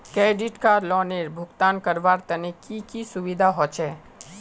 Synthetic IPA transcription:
kɾɛːɖɪʈkalɔːneɾbʱʊɡt̪aːnkəɾʋaːɾt̪ənekikisʊʋid̪ʱaɦɔt͡ʃʰɛː

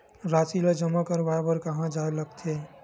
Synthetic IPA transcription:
ɾasiləd͡ʒəmːakəɾbaebəɾkəɦãd͡ʒaeləɡt̪ʰe

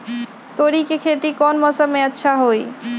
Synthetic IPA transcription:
t̪oɾikekʰet̪ikɔnmɔsəbmẽətːʃʰaɦoi

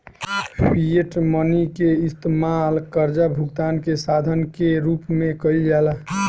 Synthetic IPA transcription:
pʰieʈmənikeɪst̪emalkəɾd͡ʒabʱuɡd̪ankesad̪ʱənkeɾupmẽkəild͡ʒɛla

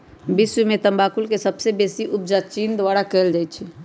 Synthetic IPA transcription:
bɪswimẽt̪əmbaːkʊlkesəbsebeːsiʔʊb̚d͡ʒat͡ʃiːnd̪waːɽakeːld͡ʒajt͡ʃʰɛ

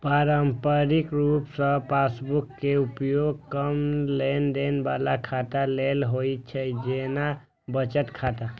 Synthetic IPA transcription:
paːɾəmpəɾikɾuːpsə̃paːsbukːeupjoɡ̚kəmlenɖenbalakʰaːt̪alelɦojt͡ʃʰɛd͡ʒena | bət͡ʃət̪kʰat̪a

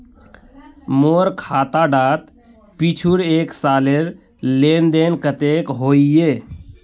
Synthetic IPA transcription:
moːɾkʰaːt̪aɖaːt̪ | pit͡ʃʰuɾeːksaːleɾ | leːnd̪eːnkət̪eːkɦoːieː

